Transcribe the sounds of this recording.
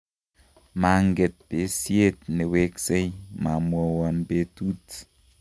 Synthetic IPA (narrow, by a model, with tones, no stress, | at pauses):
ma˨ŋɡe˨t̚be˨˦si˦e˦t̚ne˨we˦kse˦jma˨mwɔ˨wɔ˨nbe˦tu˦t